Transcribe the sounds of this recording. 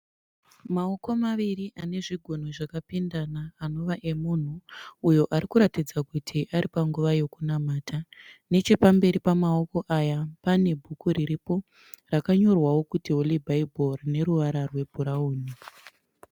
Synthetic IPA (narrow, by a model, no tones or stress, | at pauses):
mao̞ko̞maʋiriʔane̞ʐiɡʱon̤oʐakapindanaːno̞ʋaʔe̞mun̤uːjo̞ʔaɾikuɾatid͡zakutʰiʔaɾʔipaŋɡuʋaje̞kunamaːtʰane̞t͡ʃe̞pambe̞ɾipamao̞ko̞ʔajapane̞bʱukuɾiɾipo̞ | rakaɲo̞rwawo̞kutiɦolibʱaiborine̞ɾuʋaɾarwe̞bʱuɾauːni